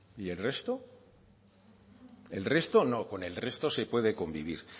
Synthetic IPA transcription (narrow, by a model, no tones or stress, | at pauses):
ie̞lre̞st̪o | e̞lre̞st̪o̞no̞ko̞ne̞lre̞st̪o̞se̞pwe̞ðe̞ko̞mbiβ̞ḭɾ